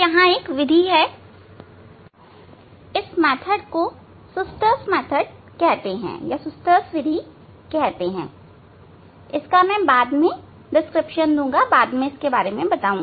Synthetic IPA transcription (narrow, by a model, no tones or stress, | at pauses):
jɐɦãeːkʋɪd̪ʱiɦɛ | ɪsmɛːt̪ʰəɽko | sʊst̪əsmɛːt̪ʰəɽ | kɛɦt̪eɦɛ̰̃ːjasʊst̪əsʋɪd̪ʱi | kɛɦt̪eɦɛ̰̃ː | ɪskamɛ̃baːd̪mẽ | ɖɪskɾɪpʃənd̪ũːŋɡabaːd̪mẽɪskebaːɾemẽbɐt̪aːũː